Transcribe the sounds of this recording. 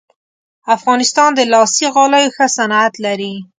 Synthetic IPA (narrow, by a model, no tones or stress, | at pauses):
afɣɑnɪst̪ɑnd̪əlɑsiɣɑləjoxəsanat̪laɾi